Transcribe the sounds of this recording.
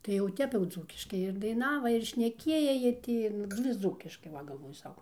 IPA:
tɐɪ jɛʊ ˈtʲɛp jɛʊ ˈd͡zuːkʲɪʃkɐɪ ɪr dɐɪˈnɑːʋɐ ɪr ʃʲnʲɛˈkʲiɛjɛ jiɛ ˈtʲɪ ˈnʊ ʋʲɪs ˈd͡zuːkʲɪʃkɐɪ ˈʋɐ ɡɐlˠˈʋoːjʊ ˈsɐʊ

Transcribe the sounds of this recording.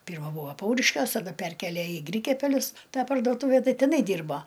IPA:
ˈpʲiːrmɐ ˈbuːʋɐ ˈpɐʊrʲɪʃʲkʲuɔs tɐˈdɐ ˈpʲɛrʲkʲeːlʲeː ɪ ˈɡrʲiːkʲɛpʲɛlʲʊs ˈtɑː pɐrdoːˈtuːʋʲɛ ˈtɐɪ tʲɪˈnɐɪ ˈdʲiːrboː

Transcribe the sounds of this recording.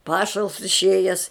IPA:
ˈpɑːʃɐlˠs ɪʃʲˈeːjɛs

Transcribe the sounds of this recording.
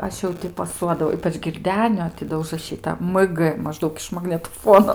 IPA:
ˈɐʃ jɛʊ ˈtʲɪ pɐˈsuɔdɐʋɐʊ ˈiːpɐt͡ʃ ɡʲɪrʲˈdʲæːnʲoː tʲɪ ˈdoː ʊʒrɐˈʃʲiːtɐ mk mɐˈʒdɐʊk ɪʃ mɐɡnʲɛtoːˈfuɔnoː

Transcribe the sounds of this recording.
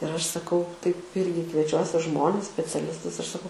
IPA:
ɪr ˈɐʃ sɐˈkɐʊ tɐɪp ˈɪrʲɡʲɪ kʋʲiɛˈt͡ʃʲuɔsʲɪ ˈʒmoːnʲɛs sʲpʲɛt͡sʲɛˈlʲɪstʊs ɪr sɐˈkɐʊ

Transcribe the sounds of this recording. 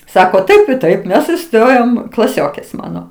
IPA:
ˈsɑːkoː ˈtɐɪp ɪ ˈtɐɪp ˈmʲɛs ɪˈstoːjoːm klˠɐˈsʲoːkʲeːs ˈmɑːnoː

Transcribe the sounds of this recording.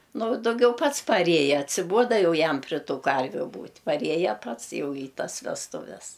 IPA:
ˈnʊ dɐʊˈɡʲɛʊ ˈpɐts pɐˈrʲeːjɛ ɐtʲsʲɪˈbuɔdɐ ˈjɛʊ ˈjɛm pʲrʲɪ ˈtuː ˈkɐrʲʋʲʊ ˈbuːtʲ pɐˈrʲiɛjɛ ˈpɐts ˈjɛʊ iː ˈtɐs ʋʲɛsˈtʊʋʲɛs

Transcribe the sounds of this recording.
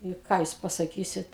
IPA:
ɪ ˈkɑː juːs pɐsɐˈkʲiːsʲɪt

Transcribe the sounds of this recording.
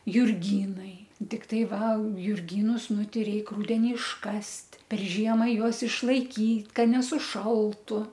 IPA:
jʊrʲˈɡʲiːnɐɪ tʲɪkˈtɐɪ ˈʋɐ jʊrʲˈɡʲiːnʊs ˈnʊ ˈtʲɛɪ ˈrʲɛɪk ˈrʊdʲɛnʲɪ ɪʃˈkɐsʲtʲ pʲɛr ˈʒʲiɛmɑː ˈjuɔs ɪʃlˠɐɪkʲiːt ˈkɐ nʲɛsʊˈʃɐlˠtʊ

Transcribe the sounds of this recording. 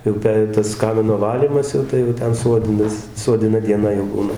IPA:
jɛʊ ˈpʲɛ tɐs ˈkɑːmʲɪnoː ˈʋɑːlʲiːmɐs jɛʊ ˈtɐɪ jɛʊ ˈtʲɛn ˈsuɔdʲɪnɐs suɔdʲɪˈnɐ dʲiɛˈnɐ jɛʊ ˈbuːnɐ

